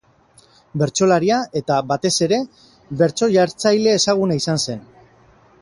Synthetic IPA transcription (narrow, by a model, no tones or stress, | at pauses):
be̞ɾt͡so̞laɾiaʔe̞t̪aβat̪e̞se̞ɾe̞ | βe̞ɾt͡so̞ʝaɾt͡sajle̞ːsaɣ̞unaisanse̞n